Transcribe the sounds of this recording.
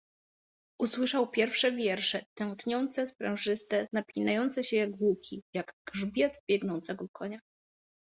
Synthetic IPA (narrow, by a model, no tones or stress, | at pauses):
ʔuswɘʂawpʲjɛɾfʂɛvʲjɛɾʂɛt̪ɛ̃ŋ̃t̪ɲɔnt̪sɛspɾɛ̃w̃ʐɘst̪ɛnapʲlʲinajɔnt̪sɛɕɛjaɡɡwukʲʰijaɡɡʐbʲjat̪bʲjɛɡnɔnt̪sɛɡɔkʰɔɲa